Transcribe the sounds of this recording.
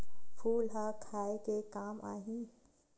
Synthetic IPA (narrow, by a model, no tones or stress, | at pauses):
pʰuːlɦakʰaːekekaːmʔa̰ːɦĩː